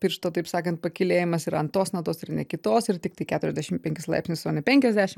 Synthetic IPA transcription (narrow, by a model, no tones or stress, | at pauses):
pʲɪɾʃt̪oːt̪ɐɪpsɑːkɐnt̪̚pɐkʲɪlʲeːjɪmɐsɪɾɐnt̪oːsmɐt̪oːsɪɾnʲɛkʲɪt̪oːsɪɾt̪ʲɪk̚t̪ɐɪkʲæːt̪ʊɾʲɛzʲd̪ʲæːʃʲɪmpʲɛŋʲkʲɪslˠɐ̰ɪpʲsʲnʲɪst̪oɔnʲɪpʲɛŋʲkʲɛzʲd̪ʲæːʃʲɪm